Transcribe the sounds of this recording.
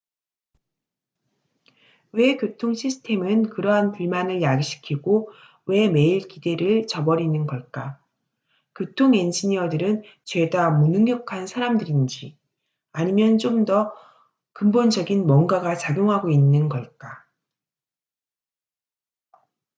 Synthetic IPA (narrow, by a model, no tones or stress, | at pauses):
we̞kjotʰoŋɕʰisʰɯ̥tʰe̞mɯnkɯɾʌɦanpuɭmanɯɭjaɡɕʰi̥kʰiɡo | we̞me̞iɭkide̞ɾɯɭt͡ɕʌbʌɾinɯnɡʌɭk͈a | kjotʰoŋend͡ʑiɲiʌdɯɾɯn | t͡ɕwe̞damunɯŋɡjʌkʰansʰaɾamdɯɾind͡ʑi | aɲimjʌnt͡ɕ͈omdʌ | kɯmbond͡ʑʌɡinmwʌŋɡaɡat͡ɕaɡjoŋɦaɡoinːɯnɡʌɭk͈a